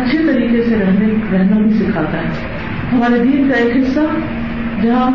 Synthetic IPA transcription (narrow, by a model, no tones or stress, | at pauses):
ɐtːʃʰet̪ɐɾiːkesẽɾɐɦneɾɐɦnabʱisɪkʰaːt̪aɦɛ | ɦɐmaːɾed̪iːnkaekɦɪsːa | d͡ʑɐɦã